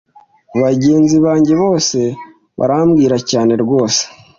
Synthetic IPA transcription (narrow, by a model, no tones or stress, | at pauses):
βaɟe̞ːnziβaːɲɟe̞βo̞ːse̞ | βa̰ɾamɡiːɾacaːne̞ɾɡwo̞ːse̥